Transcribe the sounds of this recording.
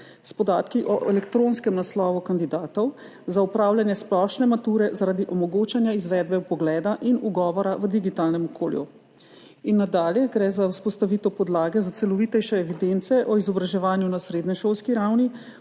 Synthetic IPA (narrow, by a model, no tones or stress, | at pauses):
spɔd̪aːt̪kiʔɔʔɛlɛkt̪ɾoːnskɛmnaslɔːʋukand̪id̪aːt̪ɔw | zaupɾaːwljanjɛsplɔʃnɛmat̪uːɾɛzaɾaːd̪iʔɔmɔɡot͡ʃanjaizʋɛd̪̚bɛupɔɡlɛːd̪aʔinuɡɔːʋɔɾaʋəd̪iɡit̪aːlnɛmɔkʰo̰ːljṵ | inːad̪aːljɛɡɾɛzawspɔst̪aʋit̪ɔpɔd̪laːɡɛzat̪sɛlɔʋit̪ɛjʃɛːʋid̪ent̪sɛʔɔizɔbɾaʒɛʋaːnjunasɾeːd̪nɛʃolskiɾawni